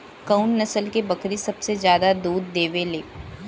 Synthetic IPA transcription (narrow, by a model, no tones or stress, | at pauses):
kɐʊnːɐsəlkebɐkɾisɐbsezjaːd̪ad̪uːd̪ːeːʋeleː